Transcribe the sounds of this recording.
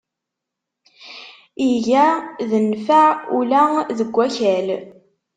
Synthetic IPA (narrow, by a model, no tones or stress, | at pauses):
iʝæðənfæulæðəɡʷːæçæl